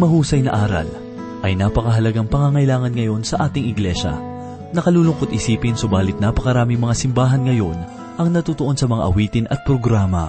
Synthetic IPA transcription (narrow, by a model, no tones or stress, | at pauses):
mɐhuːsɐjnɐ̰ʔaːɾɐ̰l | ʔɐjnaːpɐkɐɦɐlɐɡaŋpɐŋaŋɐjlaːŋɐnŋɐjo̞nsɐʔaːt̪ɪŋɪɡlɛʃɐ̰ | nɐkɐluːlʊŋkot̪̚ʔɪsiːpɪnsobaːlɪt̪̚napɐkɐɾaːmɪŋmɐŋasɪmbaːɦɐnŋɐjo̞n | ʔɐŋnɐt̪uːt̪oʔo̞nsɐmɐŋa̰ʔɐwiːt̪ɪnɐt̪̚pɾoɡɾaːmɐ̰